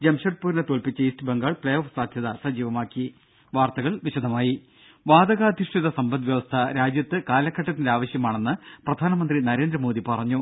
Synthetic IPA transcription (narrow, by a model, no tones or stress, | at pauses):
d͡ʑemɕɐʈ̚puːɾnet̪oːlpit͡ɕːɐiːstɨbeŋɡaːɭpɭejoːfsaːd̪ʱjɐðɐsɐd͡ʑiːʋɐmaːkːi | ʋaːrt̪ɐɣɐɭʋiɕɐd̪ʱɐmaːji | ʋaːd̪ɐɣɐːd̪ʱiʂʈʰiðɐsɐmbɐnd̪ʋjɐʋɐst̪ʰɐɾaːd͡ʑjɐt̪ːɨkaːlɐkʰːɐʈːɐt̪ːindeaːʋɐɕjɐmaːɳe̞nːɨprɐd̪ʱaːnɐmɐnd̪rinɐɾe̞ːnd̪rɐmoːd̪ipɐrɐɲːu